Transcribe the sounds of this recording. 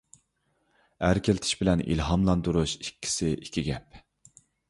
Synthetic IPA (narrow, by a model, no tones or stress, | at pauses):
æɾkʲʰelɪt̪ʰɪ̥ʃbɪlɛnḭlɦɑmlˠɑnd̪uɾuʃikʲʰːi̥sɪʔikʲʰiɡʲɛp̚